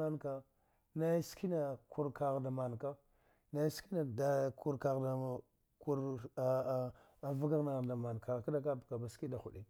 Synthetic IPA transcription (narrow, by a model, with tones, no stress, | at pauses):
a˦nka˦ | na˦i˦ski˦na˨ku˦ɾka˨ɣda˨ma˨nka˦ | na˦ski˦na˨da˨ku˦ɾka˨ɣda˨ | ku˦ɾ | a˨va˦ɡa˦ɣna˨ɣda˨ma˨nka˨ka˦da˦ka˦bka˨ba˨ski˦da˨xu˨ɗi˦